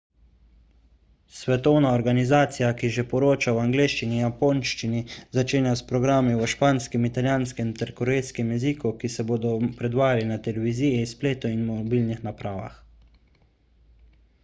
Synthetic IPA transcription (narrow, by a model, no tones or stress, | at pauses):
sʋɛt̪ɔwnaɔɾɡanizaːt̪sijakiʒɛpɔɾoːt͡ʃawaŋɡleːʃt͡ʃinijapoːnʃt͡ʃinizat͡ʃeːnjaspɾɔɡɾaːmiɔʃpaːnskɛmit̪aljaːnskɛmt̪ɛɾkɔɾɛjskɛmjɛzikukisɛboːd̪ɔpɾɛd̪ʋaːjalinat̪ɛlɛʋizijɛspleːt̪ɔinmɔbiːlnixnapɾaːʋa̰x